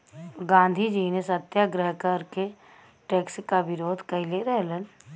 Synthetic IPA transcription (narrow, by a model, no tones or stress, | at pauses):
ɡãːnd̪ʱid͡ʒiːnesət̪jaɡɾəɦkəɾke | ʈeːkskaʋɪɾoːd̪ʱkəileɾɛɦlən